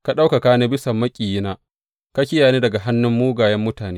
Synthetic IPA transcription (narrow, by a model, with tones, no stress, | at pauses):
ka˨ɗa˦wka˨kaː˦ne˦bɪ˦sɐ˨mːɐ˦kʲʼiː˨jɪ˦naː˦ | ka˦kʲɪ˦jaː˨neː˦dɐ˨ɡa˨ɦa˦nːʊ˦mːuː˦ɡaː˨jɐ˦mːʊ˦taː˨neː˦